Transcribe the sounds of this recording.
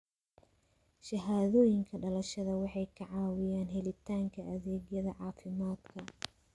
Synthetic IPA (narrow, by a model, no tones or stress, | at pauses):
ʃɐɦaːðɔːjɪŋkʰɐɖɐlɐʃɐðɐwɑħɑjkʰɐʕɑːwɪjaːnɦɛlɪt̪ʰaːŋkʰɐʔɐðɛːɡjɐðɐʕɑːfɪmaːd̪kʰɐ